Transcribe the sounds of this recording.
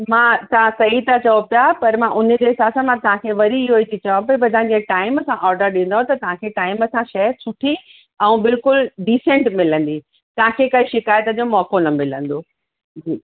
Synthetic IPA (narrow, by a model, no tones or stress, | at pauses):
mãːt̪ɐʋ̤ãsɐɦit̪ʰat͡ɕɐopjapɐɾmãʔʊnə̆d͡ʑeɦɪsaːsãmãt̪ɐʋ̤ãkʰeʋɐɾiɪɦoit̪ʰit͡ɕɐʋãpɐibɐd̪ʱãɲd͡ʑeʈaːɪməsãʔɔːɾɖəɾɗĩn̆d̪aɦõt̪ɐt̪ɐʋ̤ãkʰeʈaːɪməsãʃɐɦsʊʈʰi | ɛ̃ːbɪlkʊlɖiːsẽɳʈmɪlə̃nd̪i | t̪ɐʋ̤ãkʰekɐiʃɪkaːjt̪əd͡ʑomɔːkonɐmɪlə̃nd̪oː | d͡ʑiː